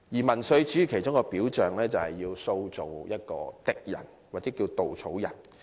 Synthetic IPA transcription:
jiː˨˩mɐ˨˩nsɵ˧ɥt͡ʃyː˨˥kʰe˨˩jt͡ʃʊ˥ŋkɔː˧piː˨˥wt͡ʃœː˨ŋlɛː˥t͡sɐ˨whɐ˨jːiː˧wso˧wt͡so˨wjɐ˥t̚kɔ̰ː˧t̪ɪ˨k̚jɐ̰˨˩n | waː˨k̚t͡sɛː˨˥kiː˧wt̪o˨wt͡sʰo˨˥wjɐ˨˩n

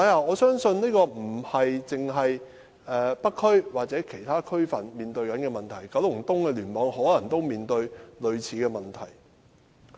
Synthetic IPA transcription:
a˨˧ja˧ɔː˨˧sœː˥ŋsɵ˧nniː˥kɔː˧m̩˨˩hɐ˨jt͡sɪ˨ŋɦɐ˨j | ɛː˨pɐ˥kʰːɵ˥ɥwaː˨k̚t͡sɛː˨˥kʰe˨˩jt̪ʰaː˥kʰɵ˥ɥfɐ˨nmiː˨nt̪ɵ˧ɥkɐ˨˥nkɛː˧mɐ˨nt̪ʰɐ˨˩jkɐ˨˥wlʊ˨˩ŋt̪ʊ˥ŋkɛː˧lyː˨˩nmɔː˨˥ŋɦɔː˨˥lɐ˨˩ŋt̪o˥wmiː˨nt̪ɵ˧ɥlɵ˨˧ɥt͡sʰiː˨˥kɛː˧mɐ˨nt̪ʰɐ˨˩j

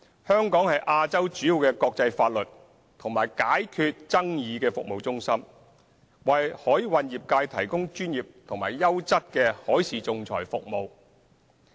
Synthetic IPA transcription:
hœː˥ŋkɔː˨˥ŋhɐ˨jʔaː˧t͡sɐ˥wt͡ʃyː˨˥ji˨˧wkɛː˧kɔː˧k̚t͡sɐ˧jfaː˧t̚lɵ˨t̚ | t̪ʰʊ˨˩ŋmaː˨˩jkaː˨˥jkʰyː˧t̚t͡sɐ˥ŋjiː˨˧kɛː˧fʊ˨k̚mo˨wt͡sʊ˥ŋsɐ˥m | wɐ˨jhɔː˨˥jwɐ˨˧njiː˨p̚kaː˧jt̪ʰɐ˨˩jkʊ˥ŋt͡ʃyː˥njiː˨p̚t̪ʰʊ˨ŋma̰ː˨˩jːɐ˥wt͡sɐ˥t̚kɛː˧hɔː˨˥jsiː˨t͡sʊ˧ŋt͡sʰɔ̰ː˨˩jfʊ̰˨k̚mo˨˧w

